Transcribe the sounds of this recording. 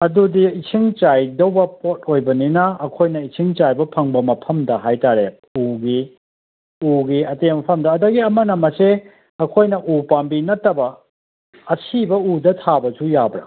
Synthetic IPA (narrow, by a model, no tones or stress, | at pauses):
ɐdudiisʰiŋt͡ʃajdɐwbɐpot̚ʰojbɐninɐːkʰojnɐisʰiŋt͡ʃajbɐpʰɐŋbɐmɐpʰɐmdɐɦajtaɾe | uɡi | uɡiɐtemɐpʰɐmdɐːdɐɡiɐmɐnɐmɐse | ɐkʰojnɐʔupambinɐtːɐbɐ | ɐsʰibɐudɐtʰabɐsujabɾɐ̰